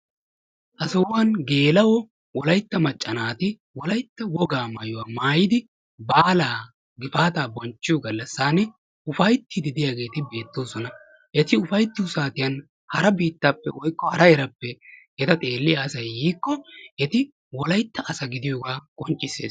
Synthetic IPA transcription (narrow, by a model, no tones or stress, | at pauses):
ʔɐsɐwwɐnɡe̞ːlɐwɔ | wɔlɐjt̪ːɐmɐt͡ʃʼːɐnaːt̪ɪ | wɔlɐjt̪ːɐwɔɡaːmɐjʊwaːmaːjɪd̪ɪ | baːlaː | ɡɪfaːt̪aːbɔnt͡ʃːɪjɔɡɐlːɐsːaːnɛ | ʊfɐjt̪ːɪd̪ɪd̪ɪjaːɡe̞ːt̪ɪbe̞ːt̪ːo̞ːsɔnɐ | ʔɛt̪ɪʊfɐjt̪ːɪʊsaːt̪ɪjɐn | hɐɾɐbiːt̪ːapːɛ̰wɔjkːɔhɐɾɐɛɾɐpːɛʔɛt̪ɐt̪ʼe̞ːlːɪjaːsɐjːiːkːɔʔɛt̪ɪ | wɔlɐjt̪ːɐʔɐsɐɡɪd̪ɪjoːɡaːkʼɔnt͡ʃʼːɪsḛːs